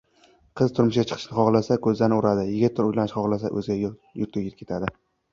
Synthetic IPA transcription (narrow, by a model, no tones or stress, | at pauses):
qʰɨzt̪ʰʊɾmʊʃɡʲat͡ʃʰɨ̥qʰɨ̥ʃnɪχɒʁlˠasakʰɵzlanɪʊɾad̪ɪjɪɡʲɪt̪ʰːɾʊjlanɪʃχɒʁlˠasa̰ʔɵ̰zɪɡʲajʊɾt̪̚ʰeɡʲɪkʲʰe̞t̪ʰad̪ɪ